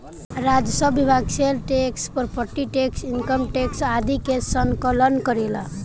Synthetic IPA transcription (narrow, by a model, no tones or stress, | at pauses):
ɾad͡ʒəsəbːibʱaɡselʈekspəɾpʰəɾʈiʈeksinkəmʈeksad̪ʱikesəŋkələnkəɾela̰